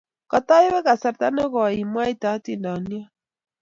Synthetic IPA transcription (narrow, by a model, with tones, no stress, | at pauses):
ka˨ta˦e˦βɛ˦ka˨sa˨ɾta˦nɛ˦ɣɔ˨i˨mwa˦i˦ta˨˦ti˦˨nda˨ni˦a˦